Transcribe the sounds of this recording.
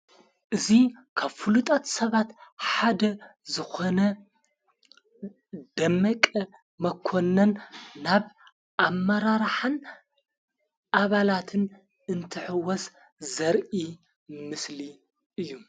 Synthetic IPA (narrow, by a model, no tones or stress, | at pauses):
ʔɨzikʰaβfulut̪ʼɐt̪sɐβat̪ħad̪ɐzɨxonɐ | d̪̥ɐmːɐkʼɐ | mɐkʰːonːɐnːaβ | ʔamːɐɾaɾħan | ʔaβalat̪ʰɨn | ɨnt̪ʰɨħɨwɔs | zɐɾʔi | mɨsli | ʔɨjːu